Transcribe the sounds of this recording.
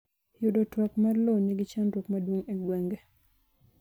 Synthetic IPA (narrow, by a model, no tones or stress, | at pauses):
judɔtwakmarlonɛɡɪt͡ʃantɔkmadwoŋeɡwɛŋɡɛ